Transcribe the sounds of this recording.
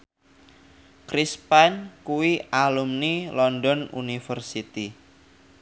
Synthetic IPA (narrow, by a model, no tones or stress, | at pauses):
kɾispankuwiʔalumnilɔndɔnṵnifərsit̪i